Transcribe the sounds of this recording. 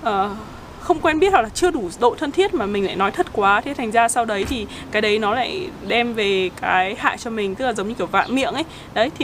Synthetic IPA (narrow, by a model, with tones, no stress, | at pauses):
ʔəː˨˩ | xə˧wŋ͡mkwɛ˧nɓi˦˥ət̚ha˨˩laː˨˩t͡ɕɨ˧əɗu˧˩ɗo̰˧˨jt̪ʰə˧nt̪ʰi˦˥ət̚maː˨˩mï˨˩ŋ̟la̰ː˧˨jnɔ˨˦jt̪ʰə˦˥t̚kwaː˨˦t̪ʰe˨˦t̪ʰa˨˩ŋ̟zaː˧sa˧wɗə˨˦jt̪ʰi˨˩ | kaː˨˦jɗə˨˦jnɔ˨˦la̰ː˧˥˨jɗɛ˧mve˨˩kaː˨˦jha̰ː˧˨jt͡ɕɔ˧mï˨˩ŋ̟t̪ɨ˦˥k̚laː˨˩zə˨˦ŋ͡mɲɨ˧i˨˧˩əwva̰ː˧˨mḭ˧˨əŋʔə˨˦j | ɗə˨˦jt̪ʰi˨˩